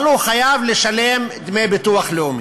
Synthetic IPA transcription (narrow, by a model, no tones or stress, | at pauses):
luχajavleʃale̞md̪mejbet̪uaχleum